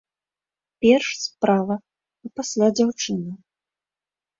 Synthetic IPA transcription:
pʲɛrʂspɾavɐ | ipasʲlʲad͡zʲawt͡ʂɨnɐ

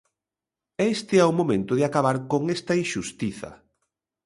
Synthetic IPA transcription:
est̪ɪɛumomẽnt̪ʊðɪakaβaɾkoŋest̪ɐinʃust̪iθɐ̰

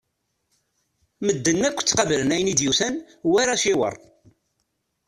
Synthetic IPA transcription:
məd̪ːənːækʷːt͡sːqɑvlənæjənid̪juθæn | wæɾæʃɪwə̰ɾˤ

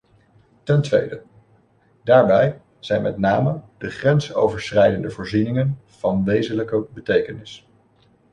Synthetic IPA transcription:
tɛntʋḛjdə | daːɹbɛj | z̥ɛjnmɛ̰tnaːməd̥əχrɛnso̰wvəɹsrɛjdəndəvoːɹzinɪŋən | v̥ɑnʋejzənləkəbətejkənɪs

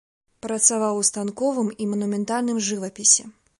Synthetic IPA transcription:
pɾɐt̪savawust̪ankɔvɨmimɐnumʲɛnt̪alʲnɨmʐɨvɐpʲisʲɛ

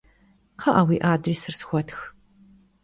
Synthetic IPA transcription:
qʰɐʔawiːʔaːdriːsɨrsxʷɔtx

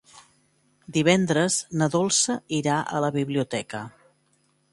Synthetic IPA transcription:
d̪iβ̞ɛnd̪ɾəznəðolˠsəiɾaʔə̰ləβiβliut̪ɛkə

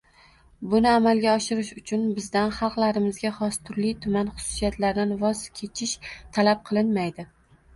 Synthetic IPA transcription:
bʊnɪamalˠɡʲaɒʃɪɾɪʃʊt͡ʃʰʊnbɪzd̪anχɑlˠqlˠaɾɪmɪzɡʲaχɒst̪ʰʊɾlijt̪ʰʊmanχʊ̥sʊ̥sijat̪laɾd̪anvɒzkʲʰe̞t͡ʃʰɪʃt̪ʰalap̚qʰɨlˠɪnmajd̪ɪ

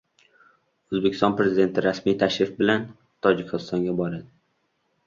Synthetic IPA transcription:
ɵzbekʲɪ̥st̪ɒnpɾe̞zɪd̪e̞nt̪ʰɪɾasmijt̪ʰaʃɾɪfbɪlan | t̪ʰɒd͡ʒɪkʲʰɪst̪ɒŋɡʲabɒɾad̪ɪ

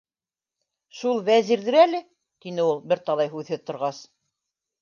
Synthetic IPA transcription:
ʃulˠvæziɾðɘɾælɘ | t̪inɘulˠbɘɾt̪ɑlˠɑjɦʉðhɘðt̪ŏɾʁɑs

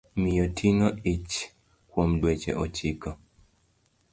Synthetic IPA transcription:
mijɔtʰiŋɔit͡ʃ | kwomdwɛt͡ʃɛ̰ʔɔt͡ʃikɔ

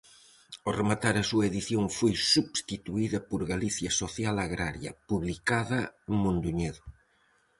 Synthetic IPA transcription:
oremat̪aɾɐsuɐeðiθjoŋfojsuβst̪it̪uiðɐpoɾɣaliθjɐsoθjalaɣɾaɾjɐ̰puβlikaðɐeŋmõnd̪uɲeðʊ

